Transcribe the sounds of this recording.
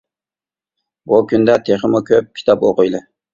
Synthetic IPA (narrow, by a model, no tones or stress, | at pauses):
bukʲʰynd̪ɛt̪ʰeχəmʊkʲʰøp̚kʲʰi̥t̪ʰɑpoqʊjlˠɪ